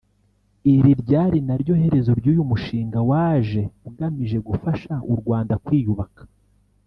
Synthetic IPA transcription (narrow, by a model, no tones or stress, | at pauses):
iɾiɾɟaːɾinaɾɟo̞ːhe̞ɾe̞zo̞ɾɟuːjumuʃiːŋɡawaːʒe̞ɡamiʒe̞ɡufaʃauɾɡwaːndakwiːjuβakḁ